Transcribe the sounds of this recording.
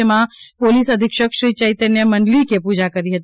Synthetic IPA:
əmãpoːlisɐd̪ʱɪkʃəkʃit͡ʃəɪt̪ənjəmɐɳɖlikepuːd͡ʒakəɾiɦət̪

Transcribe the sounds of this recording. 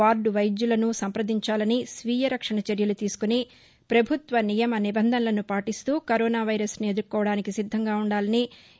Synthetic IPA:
aːɾɖʋɐjd͡ʒjulɐnusɐmpɾɐd̪ʱiɲt͡ʃaːlɐnisʋiːjɐɾɐkʂɐɳɐt͡ʃɐɾjɐlut̪iːsu̥kuni | pɾɐbʱut̪ʋɐnijɐmɐnibɐnd̪ʱɐnɐlɐnupaːʈist̪uːkɐɾɔːnaːʋɐjɾɐsnied̪uɾkːɔːʋɐɽaːnikisid̪ʱːɐŋɡaːuɳɖaːlɐni

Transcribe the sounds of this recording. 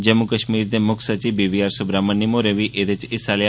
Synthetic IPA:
d͡ʒəmukəʃmiːɾd̪emʊkʰsət͡ʃiʋbibiaːɾsʊbɾamənːimoɾeʋiʔet̪et͡ʃɪsali

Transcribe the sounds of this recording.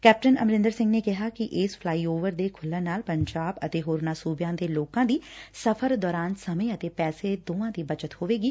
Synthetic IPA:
kɛːp̚ʈənə̰mɾɪ̃nd̪əɾsɪ̃ŋɡneːkɪɦaːkɪʔɪspʰlaːiːoːʋəɾd̪eːkʰʊlːəːnaːlpəɲd͡ʒaːbət̪eːɦoːɾnaːsuːbjãːd̪eːloːkãːd̪iːsəpʰəɾd̪ɔːɾaːnsəmẽːət̪eːpɛːseːd̪oːãːd̪iːbəd͡ʒət̪hoːʋeːɡiː

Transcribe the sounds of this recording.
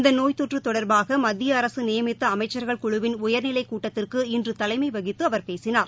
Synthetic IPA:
ɪnd̪ɐnoːjt̪ɔʈrɯt̪ɔɽɐɾbaːɣɐmɐd̪ːɪjɐːɾɐsɯnɪjɐmɪtt̪ːɐːmɐɪt͡ʃːɐɾɣɐɭkʊɻʊʋɪnʊjɐɾnɪlɐɪkuːʈːɐt̪ːɪrkɯɪndrɯt̪ɐlɐɪmɐɪʋɐɣɪt̪ːɯɐʋɐɾpeːsɪnaːɾ

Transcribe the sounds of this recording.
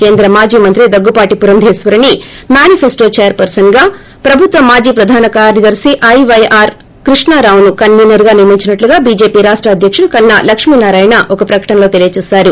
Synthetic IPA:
ke̞ːnd̪ɾɐmaːd͡ʒiːmɐnt̪ɾid̪ɐɡːupaːʈipuɾɐnd̪ʱɛːsʋɐɾɐnimaːnipʰesʈo̞ːt͡ʃeːjɐɾpɐɾsɐnɡaː | pɾɐbʱut̪ʋɐmːaːd͡ʒiːpɾɐd̪ʱaːnɐkaːɾjɐd̪ɐɾsiʔɐjʋɐjaːɾ | kɾiʂnaːɾaːwunukɐnmiːnɐɾɡaːniɾmiɲt͡ʃinɐʈluɡaːbiːd͡ʒe̞ːpiːɾaːʂʈɾɐːd̪ʱjɐkʂuɽukɐnːɐlɐkʂminaːɾaːjnɐʔɔkɐpɾɐkɐ̥ʈɐnlo̞ːt̪elijɐt͡ʃɛːsaːɾu

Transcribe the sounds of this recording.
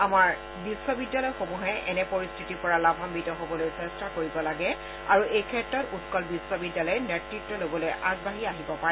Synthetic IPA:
amaɹ | bisːɔbidːalɔjxomuɦɛʔɛnɛpoɹistʰitipɔɹalabʱambitɔɦobɔlojsɛstʰakoɹibɔlaɡɛ | a̰ɹuʔejkʰɛtɹɔtutkɔlbisːɔbidːalɔjɛnetɹitːɔlobɔlojʔazbaɦiaɦibɔpaɹɛ

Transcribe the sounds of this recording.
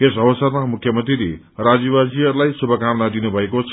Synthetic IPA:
kesʌbʌsʌrmamukʰjʌmʌ̃nt̪riɾe | rad͡zibad͡ziʌɾulajsubʱʌkamnad̪inubʱʌekot͡sʰ

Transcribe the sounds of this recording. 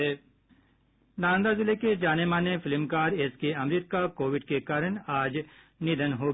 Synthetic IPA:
ɛː | nãːnd̪azɪleked͡ʒaːnemãːnefɪlmkaːɾeːskeɐmɾiːt̪̚kakoːʋɪɖkekaːɾənaːd͡ʒ | nɪd̪ənɦo

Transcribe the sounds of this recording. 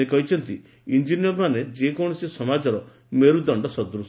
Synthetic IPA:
ekɔɦit͡ʃʰɔnt̪i | ind͡ʒinjɔɾmaned͡ʒekɔɽ̃ɔsisɔmad͡ʒɔɾɔ | meɾud̪ɔɳɖɔsɔd̪ɾus

